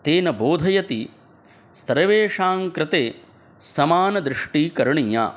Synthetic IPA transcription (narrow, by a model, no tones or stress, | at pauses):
t̪eːnɐboːd̪ʱɐjɐt̪i | st̪ɐɾɐʋeːʂaːŋkɾɪt̪eː | sɐmaːnɐd̪ɾɪʂʈiːkɐɾɳija̰ː